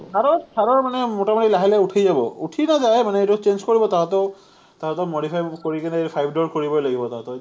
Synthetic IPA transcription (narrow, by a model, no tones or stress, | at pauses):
kʰaɹɔtʰaɹɔɹmanɛmɔtamotilaɦilɛuʈʰajzabɔuʈʰinazajmanɛejtut͡ʃend͡ʒkoɹibɔtaɦatɔʊ | taɦatɔmoɽipʰajkoɹikanɛpʰajbʱdɔɹkoɹibɔjlaɡibɔtaɦatɔ